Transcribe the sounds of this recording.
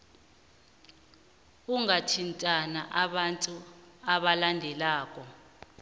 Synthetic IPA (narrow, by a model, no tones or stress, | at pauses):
kuŋatʰintʼanaʔaɓantʼuaɓalandʱɛlaːk̬ʼɔ